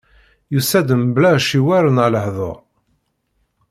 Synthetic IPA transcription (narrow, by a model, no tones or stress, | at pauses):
jusæd̪əmblæʃiwæɾənləħðˤo̰ʁ